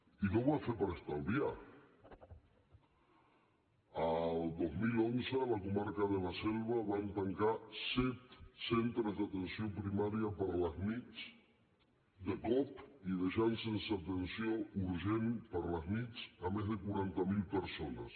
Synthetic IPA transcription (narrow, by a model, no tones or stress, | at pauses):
ikoβafepaɾest̪alβja | ald̪ozmilonselakumaɾkaðelaselβ̞aβant̪aŋkasɛt̪sent̪ɾezðat̪ensjopɾimaɾjapaɾlaznit͡s | d̪epɔpiðeʃansensaːt̪ensjouɾʒenpaɾlaznit͡samezðekuɾant̪amilpeɾsonas